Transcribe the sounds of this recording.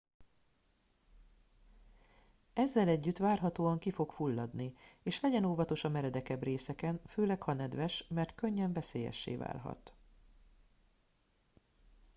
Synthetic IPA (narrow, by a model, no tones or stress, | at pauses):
ɛzːɛlɛɟːyt̪ʋaːrɦɒt̪oːɒŋkifo̞kfulːɒd̪nieːʃlɛɟɛnoːvɒt̪o̞ʃɒmɛɾɛd̪ɛkɛbreːsɛkɛnføːlɛkhɒnɛd̪ʋɛʃmɛrt̪kø̞ɲːɛɱvɛseːjɛ̰ʃːḛːva̰ːlɦɒ̰t̪